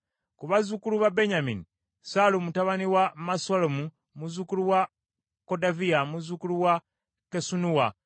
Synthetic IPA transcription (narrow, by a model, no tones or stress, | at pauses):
kuβazukuluβabe̞ɲamḭni | salumutaβaniwamasalomu | muzukuluwa | ko̞daviamuzukuluwa | kesunuwa